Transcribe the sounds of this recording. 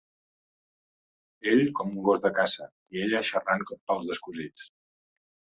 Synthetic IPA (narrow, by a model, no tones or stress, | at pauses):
eʎkɔmuŋɡozðəkazə | ieʎəʃəraŋkɔppəlˠzðəskuzit͡s